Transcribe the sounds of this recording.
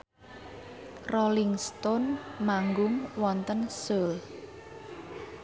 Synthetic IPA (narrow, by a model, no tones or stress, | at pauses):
roliŋst̪ɔnmaŋɡʊŋwɔnt̪ənsəl